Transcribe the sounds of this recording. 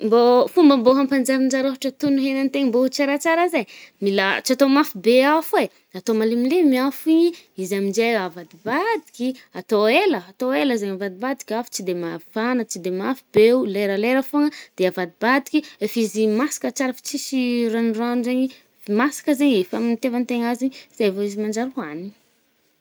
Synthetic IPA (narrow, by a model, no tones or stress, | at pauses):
mbofumbəmboɦampand͡ʒaɾind͡ʒaɾoɦaʈ͡ʂət̪unuɦenant̪eɲimbout͡saɾat͡saɾazaɲmila̰t͡siat̪omafibeafue | at̪omalimilemiafiɲiizamid͡ʒejavad̪ibad̪ikʲiat̪oeləːt̪oeləzeɲavad̪ibad̪i̥kʲafu̥t͡sid̪emavanət͡ʃid̪emafibeuleɾəleɾəfoŋəd̪̥eavad̪ibad̪ikʲiefizimasi̥kət͡ʃaɾəfi̥t͡sisiɾanranzeɲi | masḁkəzeɲefamint̪evant̪eŋaziɲz̥evoizimand͡ʒaɾɦani̥